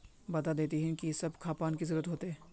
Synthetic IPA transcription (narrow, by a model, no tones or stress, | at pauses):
bɐt̪ad̪eːt̪iɦĩkisɐbkʰaːpaːnkizɐɾuːɾət̪ɦoːt̪eɦɛː